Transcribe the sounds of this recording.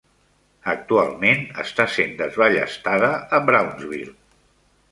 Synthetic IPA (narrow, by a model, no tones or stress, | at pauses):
ək̚t̪ualˠmenə̰st̪asend̪əzβaʎə̰st̪aðəːbɾawnzβḭlˠ